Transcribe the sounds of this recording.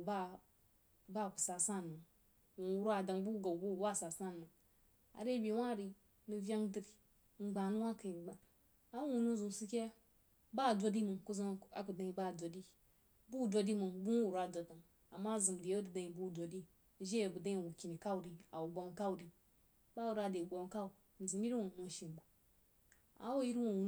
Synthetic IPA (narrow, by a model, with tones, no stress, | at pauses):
ba˦ | ba˦˨ku̥˨sa˨sa˦˨nmə˨ŋ | wu˨wu˦ɾa˨da˨ŋbu˦ɡa˨bu˦˨˦wa˦˨sa˨sa˦˨mə˨ŋ | a̰˨ɾe˦bi˨wa˦ɾi˨ | nu˨vja˦ŋdi˦ɾi˨˦ | ŋ͡m̩˨ɡ͡ba˨nu˦wa˦kə˨ɡ͡ba˨ | a˦u˨nu˦zu˨msu˦kʲe˦ | ba˦˨dʷo˦di˦mɨ˨ku˦za˦ma̰˨ku˨da˦i˨ba˦˨dʷo˨di˦ | bu˦˨dʷo˧di˦mɨ˨bu˦wu˨ɾa˨dʷo˨da˨ŋ | a˨mːa˦˨zɨ˨m˨di˨˦dɨ˨dã˨i˨bu˦˨dʷo˨di˦ | ʒe˦e˨bu˨dã˦˨wu˨kʲi˨ni˨ka˦u˨di˨a̰˨wu˨ɡ͡bo˨˦ŋ˦ka˦wu˨di˨ | ba˦˨u˨ɾa˨de˨ɡ͡bo˨ŋ˦ka˦u˨ | n̩˨zɨ˨mji˦ɾi˦wo˨nu˨ʃi˨n˨ba˨ | a̰˨˦wu˦ji˦ɾi˦wo˨wu˨